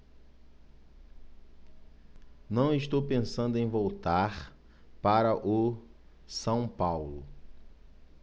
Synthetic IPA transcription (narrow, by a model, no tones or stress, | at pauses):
nɐ̃w̃iʃt̪owpẽsɐ̃nd̪ʊẽj̃vowt̪aɾ | paɾɐʔʊ | sɐ̃w̃pawlʊ